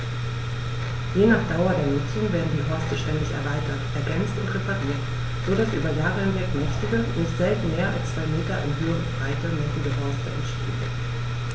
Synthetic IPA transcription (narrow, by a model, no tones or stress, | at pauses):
jeːnaːχd̥aʊɐdeːɐnʊt͡sʊŋveːɐdn̩diːɦɔɐstəʃtɛndɪçɛ̰ɐvaɪtɐtʔɛɐɡɛnt͡stʊ̰ntʁepaʁiːɐt | z̥oːɾasʔy̰ːbɐjaːʁəhɪnvɛkmɛçtɪɡənɪçtz̥ɛltn̩meːɐʔa̰lst͡sv̥aɪmeːtɐʔɪ̰nɦøːənb̥ʁaɪtəmɛtn̩dəɦɔɐstəɛ̰ntʃtḛːən